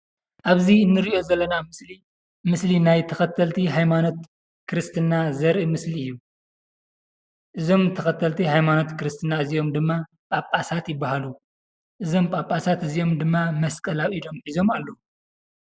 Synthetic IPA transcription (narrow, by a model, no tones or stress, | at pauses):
ʔaβziɨnːɨɾiʔo̞zɐlːɐnai | mɨslinajt̪ʰɐxɐt̪ʰɐlt̪ʰiɦajmano̞t̪̚ | kʰɨɾɨst̪ʰɨnːazɐɾʔɨmɨsliɨjːu | ʔɨzo̞mt̪ʰɐxɐt̪ʰɐlt̪ʰihajmano̞t̪kɨɾɨst̪ʰɨnːaɨzio̞md̪ɨmːa | pʼapʼasat̪jɪbːahalu | ʔɨzo̞mpʼapʼːasat̪ɨzio̞md̪ɨmːamɐskʼɐlawido̞mħizo̞malːɐu